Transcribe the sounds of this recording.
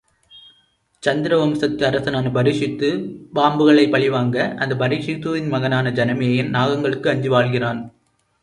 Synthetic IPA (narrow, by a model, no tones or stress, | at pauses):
t͡ʃɐnd̪ɪɾɐʋɐmsɐk̚t̪ːɯɐɾɐsɐnaːnɯbɐɾɪʂɪt̪ːɯbaːmbɯɣɐɭɐɪpːɐɭɪʋaːŋɡɐʔɐ̰nd̪ɐbɐɾɪʂɪt̪ːuːʋɪnmɐɣɐnaːnɐd͡ʒɐnɐmeːjɪnnaːɣɐŋɡɐɭɯkːɯɐɲd͡ʒɯʋaːɭɣɪraːn